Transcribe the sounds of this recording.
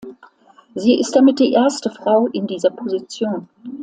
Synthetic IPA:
ziːʔɪst̚d̥amɪt̚d̥iːʔeːɐstəfʁ̥aʊʔɪndiːzɐpʰozit͡sjoːn

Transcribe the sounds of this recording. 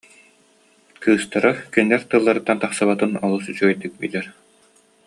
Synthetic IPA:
kʰɯːst̪aɾakinlɛɾt̪ɯlˠːaɾɯt̪ːant̪aχsaβat̪ɯnɔlˠusyt͡ɕyɡœjd̪ik̚bḭlʲɛɾ

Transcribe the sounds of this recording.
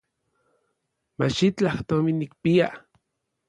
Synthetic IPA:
mat͡ʃit͡ɬaht̪ominikpia

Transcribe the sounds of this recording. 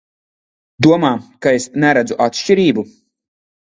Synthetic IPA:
d̪uɔmaːkaesnæɾæd̪zuʔat̪ʃt͡ʃiɾiːbu

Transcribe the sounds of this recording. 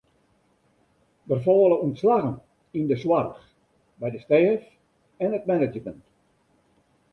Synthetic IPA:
ʋərfɔːləuntslaɣən | indəswarəx | bɛjdəsteːf | ɛnətmɛnəd͡ʒəmənt

